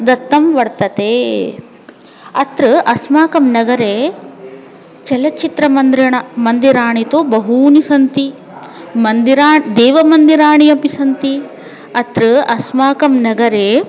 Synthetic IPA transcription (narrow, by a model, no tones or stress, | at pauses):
d̪ɐt̪ːɐmʋɐɽt̪ɐt̪eː | ɐt̪ɾɨʔɐsmaːkɐmnɐɡɐɾeː | t͡ʃɛlɐt͡ʃit̪ɾɐmɐnd̪ɾɐɳɐmɐnd̪iɾaːɳit̪oːbɐɦuːnisɐnt̪i | mɐnd̪iɾaːɳd̪ɛːʋɐmɐnd̪iɾaːɳijɐpisɐnt̪i | ɐt̪ɾɨɐsmaːkɐmnɐɡɐɾeː